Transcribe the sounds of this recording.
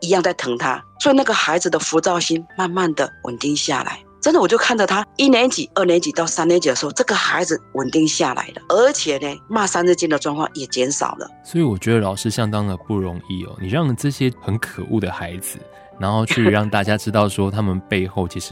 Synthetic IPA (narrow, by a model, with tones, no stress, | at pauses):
i˧˥jɑ˥˧ŋt͡sa˥˩ɪt̪ʰɤ˧˥ŋt̪ʰa̰˦swɔ˧˥i˨na˥˩ɡə˨xa˧˥ɪd͡zɹ̩˨˩d̪ə˨fu˧˥t͡sɑ˥˩ʊɕi˥nma˥˧nma˥˩nd̪ə˩wə̰˨˩nt̪i˥˧ŋɕja̰˥˩la̰˧˦ɪʈ͡ʂə˥nd̪ə˨wɔ˨˩t͡ɕjo˥˧ʊkʰa˥˩ndə˨˩t̪ʰa˥i˦˥njɛ˧˦nt͡ɕi˨˩ə˥˩njɛ˧˥nt͡ɕi˨˩t̪ɑ˥˩ʊsa˥njɛ˧˦nt͡ɕi˨˩ə˩ʂ̩˧xo˥˧ʈ͡ʂɤ˥˩ɡə˨xa˧˥ɪd͡zɹ̩˨wə˨˩nt̪i˥˧ŋɕja˥˩lʔa̰˧˥˦ɪlə̰˨ə˧˥t͡ɕʰjɛ˨˩ne˨˩ma˥˧sa˥nɻ̩˥˧t͡ɕi˥˧nd̪ə˨ʈ͡ʂwɑ˥˧ŋkʰwɑ̰˥˩ŋjɛ˨˩t͡ɕjɛ˧˦˥nʂɑ̰˨˩ʊlə̰˦swɔ˧˥i˨wɔ˨˩t͡ɕɥɛ˧˥d̪ə˧˩lɑ˨˩ʂɻ̩˥˩ɕjɑ˥ŋt̪ɑ˦˥ŋd̪ə˨pu˥˩ɻo˧˦ŋi˥˩ɔ̰˨˩ni˨˩ɻɑ˥˩ŋʈ͡ʂɤ˥˩ɕjɛ˦˥xə˨˦nkʰə˨˩ʔu˥˩d̪ə˩xa˧˦ɪd͡zɹ̩˨ | na˧˥nxo˥˧ʊt͡ɕʰy˥˧˩ɻɑ˥˧ŋt̪a˥˩t͡ɕja˦˥ʈ͡ʂɻ̩˥t̪ɑ˥˩ʊʂwɔ˦t̪ʰa˦mə˨npe˥˧ɪxo˥˨˩ʊt͡ɕʰi˧˥ʂɻ̩˧˦